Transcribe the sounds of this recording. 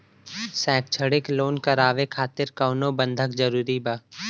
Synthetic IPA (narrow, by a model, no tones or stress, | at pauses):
sɛ̃ːkt͡ʃʰəɽɪkloːnkəɾaːʋekʰaːt̪ɪɾkaːʊnõbə̃nd̪ʱəkd͡ʒəɾuːɾibaː